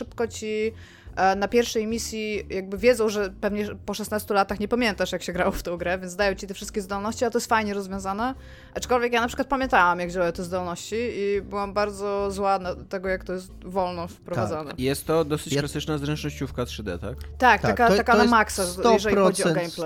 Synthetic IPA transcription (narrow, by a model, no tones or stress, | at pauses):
ʂɘpkɔt͡ɕi | napʲjɛɾfʂɛjmʲisʲjijaɡ̚bɘvʲjɛd̪zɔ̃w̃ʐɛpɛvɲɛpɔʂɛsnast̪ulat̪axɲɛpamʲjɛnt̪aʂjakɕɛɡɾawɔft̪ɔ̃w̃ɡɾɛvʲɛnt̪d̪ajɔ̃wt͡ɕit̪ɛfʂɨst̪kʲɛzd̪ɔlnɔɕt͡ɕialɛt̪ɔjɛst̪fajɲɛɾɔzvʲjɔ̃zanɛ | ʔat͡ʂkɔlvʲjɛk̬janapʂɨkwat̪̚pamʲjɛnt̪awamjaɡvd͡ʑawajɛt̪ɛzd̪ɔlnɔɕt͡ɕiibɘwambaɾd̪zɔzwad̪lat̪ɛɡɔjakt̪ɔjɛs̬t̪vɔlnɔfpɾɔvad̪anɛ̰jɛst̪ːɔd̪ɔsɘt͡ɕklasɘt͡ʂnazɾɛnt͡ʂnɔɕt͡ɕufkat̪ʂɨd̪ɛ̰t̪a̰kt̪akt̪akat̪akaamaksajɛʐɛlixɔd͡ʑiɔɡɛjmplɛ